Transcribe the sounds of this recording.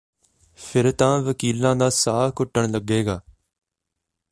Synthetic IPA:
fʰɪɾt̪ãːʋəkiːlãːd̪aːsaːkʊʈːəɳləɡeːɡaː

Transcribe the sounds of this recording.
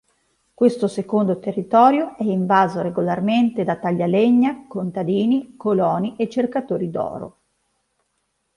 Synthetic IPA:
kwest̪osekond̪ot̪erːit̪ɔːɾjoɛiɱvaːzoɾeɡolarment̪ed̪at̪aʎːaleɲːakont̪ad̪iːnikolɔːniʔet͡ʃːerkat̪oːɾid̪ɔ̰ːɾo̰

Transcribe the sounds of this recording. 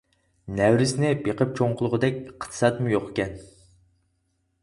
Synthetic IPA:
næwɾɪsnɪbeqʰəp̚t͡ʃʰoɴqʰʊlˠʊʁəd̪ɛkʲqʰt̪ʰɨ̥sɑt̪mʊjoqkʲɛn

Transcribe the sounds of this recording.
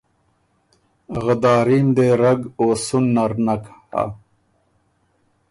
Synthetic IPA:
ɣəd̪aːɾiːmd̪eːɾɐɡoːsunːaɾnaka̰

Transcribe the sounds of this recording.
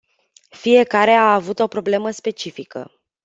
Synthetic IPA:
fije̞kaɾe̞aavut̪o̞pɾo̞ble̞məspe̞t͡ʃifikə̰

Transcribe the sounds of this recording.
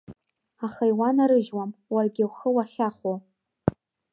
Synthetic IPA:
aχajwanaɾɨʒwamwarɡʲɪwχəwaχʲaχo

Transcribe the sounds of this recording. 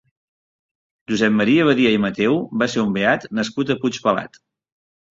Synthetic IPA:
ʒuzɛpməɾiəβ̞əɾiəimət̪ɛwbaseɾumbeat̪nəskut̪əput͡ʃpəla̰t̪

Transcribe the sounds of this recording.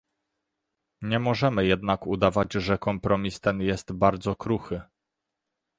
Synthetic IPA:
ɲɛmɔʐɛmɘjɛd̪nakud̪avad͡ʑʐɛkɔmpɾɔmʲist̪ɛnjɛst̪baɾd̪zɔkɾuxɘ

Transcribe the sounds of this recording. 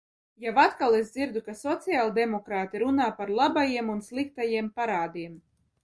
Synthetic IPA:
jawat̪kalˠezd̪ziɾd̪ukasɔt̪sijalˠd̪emɔkɾaːt̪iɾunaːpaɾlˠabajiɛmunslˠik̚t̪ajiɛmpaɾaːd̪iɛm

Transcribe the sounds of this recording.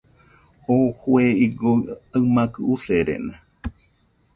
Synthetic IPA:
ohweiɡoamãkɨuseɾḛna

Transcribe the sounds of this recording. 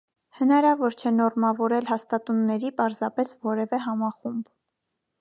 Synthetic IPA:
hənɑɾɑvɔɾt͡ʃʰɛnɔrmɑvɔɾɛlɦɑst̪ɑt̪unːɛɾipɑɾzɑpɛsvɔɾɛvɛɦɑmɑχumb

